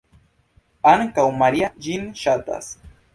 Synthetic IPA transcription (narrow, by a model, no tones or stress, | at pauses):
aŋkawmaɾiaʒinʃat̪a̰s